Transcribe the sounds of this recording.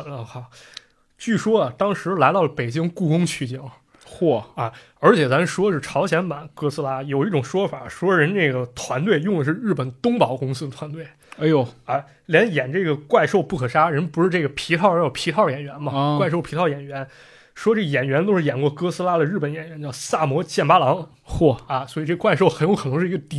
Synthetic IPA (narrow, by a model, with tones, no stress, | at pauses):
xɑ˨˧˩ʊ | t͡ɕy˥˩ʂwɔ˥ɐ˩t̪ɑ˥ŋʂɻ̩˧˥la˧˥ɪt̪ɑ˥˩lə˩pe˨˩ɪt͡ɕi˥ŋku˥˩kʊ˥ŋt͡ɕʰy˥˩t͡ɕi˥˩ŋ | xwɔ˥˩ɐ˧˩ | ə˞˧˥t͡ɕʰjɛ˨˩t͡sa˧˥mə˧ʂwɔ˥ʂɻ̩˥˩ʈ͡ʂʰɑ˧˥ʊɕjɛ˧˥nma̰˨˩˦nkɤ˥sɹ̩˥la˥jo˨˩ʊi˥˩ʈ͡ʂʊ˨˩ŋʂwɔ˥fa˨˩ʂwɔ˥ɻə˧˥nʈ͡ʂe˥˩ɪɡə˩t̪ʰwa˧˥nt̪̬we˥˧ɪjʊ˥˩ŋd̪ə˩ʂ̬ɻ̩˥˧ɻ̩˥˩pə˨˩nt̪ʊ˥ŋpɑ˨˩ʊkʊ˥ŋsɹ̩˥d̪ə˩t̪ʰwa˧˥nt̪we˥˩ɪ˧˥˧ | a˥˧˩ | ljɛ˧˥njɛ˨˩nʈ͡ʂɤ˥˩ɡə˩kwa˥˧ɪʂo˥˧ʊpu˥˩kʰɤ˨˩ʂa˥ɻə˧˥npu˧˥ʂɻ̩˥˧ʈ͡ʂɤ˥˩ɡə˩pʰi˧˥t̪ʰɑ˥˩ʊə˞˧˥jo˨˩ʊpʰi˧˥ɑ˥˩ʊjɛ˨˩nɥɛ˧˥nmɐ˧wa˥˧ɪʂ̬o˥˩ʊpʰi˧˥ɑ˥˩ʊjɛ˨˩nɥɛ˧˥n | ʂwɔ˥ʈ͡ʂɤ˥˩ɡə˩jɛ˨˩nɥɛ˧˥nt̪o˥ʊʂɻ̩˥˩jɛ˨˩nkwɔ˥˧kɤ˥sɹ̩˥la˥d̪ə˨ɻ̩˥˩pə˧˥njɛ˨˩nɥɛ˧˥nt͡ɕjɑ˥˧˩ʊsa˥˩mwɔ˧˥t͡ɕjɛ˥˩npa˥lɑ˧˥ŋ | xwɔ˥˩ɐ˧˩swi˨˩ʈ͡ʂɤ˥˩ə˧wa˥˧ɪʂo˥˩ʊxə˧˥njo˧˥ʊkʰɤ˨˩nɤ˧˥ŋʂɻ̩˥˧˥ɡə˧t̪i˧˥